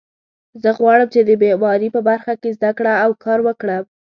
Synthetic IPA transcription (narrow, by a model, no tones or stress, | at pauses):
zəɣwɑɽəmt͡ʃed̪əbemɑɾipəbaɾxakezd̪akɽaːwkʰɑɾwəkɽa